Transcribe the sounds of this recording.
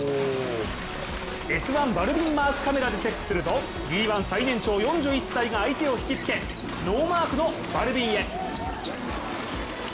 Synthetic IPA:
e̞sɨβãmbaɾɯ̟bʲĩmːaːkɯ̟̥kame̞ɾad̪e̞t͡ɕe̞kːɯ̟̥sɨɾɯ̟t̪o̞ | bʲiːβãɰ̃sainẽ̞ɲ̟t͡ɕo̞ːjõ̞ɲ̟d͡ʑɨːisːaiɡaːit̪e̞o̞çi̥kʲit͡sɨ̥ke̞ | no̞ːmaːkɯ̟no̞ | b̥aɾɯ̟bʲĩɰ̃e̞

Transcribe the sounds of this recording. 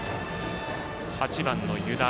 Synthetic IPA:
hat͡ɕibanːojɯd̪a

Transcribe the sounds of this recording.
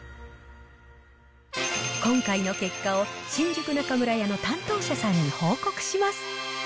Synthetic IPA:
kõ̞ŋkaino̞ke̞kːao̞ɕĩɲd͡ʑɨkɯ̟nakamɯ̟ɾajano̞t̪ãnt̪o̞ːɕasãɲ̟ːiho̞ːko̞kɯ̟̥ɕimasɨ̥

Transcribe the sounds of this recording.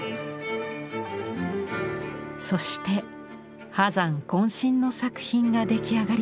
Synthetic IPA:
so̞ɕi̥t̪e̞ | hazãŋkõ̞ɰ̃ɕĩnːo̞sakɯ̟̥çĩŋɡad̪e̞kʲiaɡaɾʲ

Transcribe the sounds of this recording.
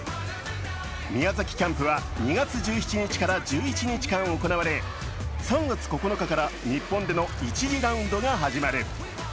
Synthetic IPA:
mʲiazakʲi̥kʲãmpɯ̟βaɲiɡat͡sɨʑɨːçi̥t͡ɕiɲ̟it͡ɕi̥kaɾad͡ʑɨːit͡ɕiɲit͡ɕi̥kãɰ̃oko̞naβaɾe̞ | sãŋɡat͡sɨ̥ko̞ko̞nokakaɾaɲipːõ̞nd̪e̞no̞it͡ɕiʑiɾãɯ̟̃nd̪o̞ɡaɦaʑimaɾɯ̟

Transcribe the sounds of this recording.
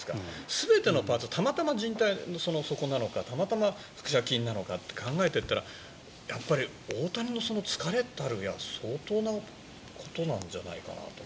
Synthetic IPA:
sɨ̥ka̰sɨbe̞t̪e̞no̞paːt͡sɨt̪ʰamat̪amaʑĩnt̪aino̞so̞no̞so̞ko̞nano̞kat̪amat̪ama | ɸɯ̥kɯ̟̥ɕakʲĩnːano̞kat̪ːe̞̥kʰãŋɡae̞t̪e̞t̪ːaɾa | japːaɾʲi | o̞ːt̪aɲʲino̞so̞no̞t͡sɨ̥kaɾe̞t̪ːaɾɯ̟jaso̞ːt̪o̞ːna | kʰo̞̥t̪o̞nãɲ̟d͡ʑa̰na̰ika̰na̰t̪o

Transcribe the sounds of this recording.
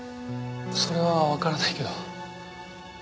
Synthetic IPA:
so̞ɾe̞βaβakaɾanaiked̪o

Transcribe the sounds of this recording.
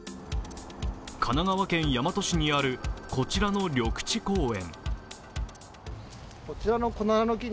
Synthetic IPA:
kʰanaɡaβakẽ̞ɰ̃jamat̪o̞ɕiɲ̟iaɾɯ̟ko̞t͡ɕiɾano̞ɾʲo̞kɯ̟̥t͡ɕiko̞ːẽ̞ŋ | kot͡ɕiɾanokonaanokʲi

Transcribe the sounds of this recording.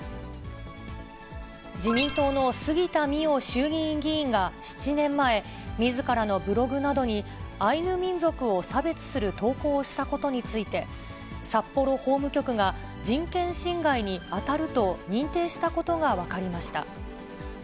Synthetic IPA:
d͡ʑimʲĩnt̪o̞ːno̞sɨɡʲit̪amʲio̞ɕɨːɡʲĩːŋɡʲĩːŋɡaɕi̥t͡ɕinẽ̞mːae̞ | mʲizɨkaɾano̞bɯ̟ɾo̞ɡɯ̟nad̪o̞ɲ̟iainɯ̟mʲĩnd͡zo̞kɯ̟o̞sabe̞t͡sɨ̥sɨɾɯ̟t̪o̞ːko̞ːɕi̥t̪ako̞t̪o̞ɲ̟it͡sɨit̪e̞ | sapːo̞ɾo̞ho̞ːmɯ̟kʲo̞kɯ̟ɡa | d͡ʑĩŋkẽ̞ɰ̃ɕĩŋɡaiɲ̟iat̪aɾɯ̟t̪o̞ɲ̟ĩnt̪e̞ːɕi̥t̪ako̞t̪o̞ɡaβ̞akaɾʲimaɕi̥t̪a̰

